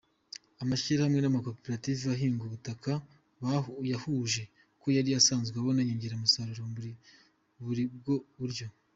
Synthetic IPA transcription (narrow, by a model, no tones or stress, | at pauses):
amaçiɾahamŋe̞namako̞peɾativiβaɦiːŋɡuβutaka | βajahuːʒe̞ | ko̞jaɾiasaːnzɡeβo̞naɲeːɲɟeɾamusaɾuɾouɾi | βuɾib̚ɡo̞uɾɟo̞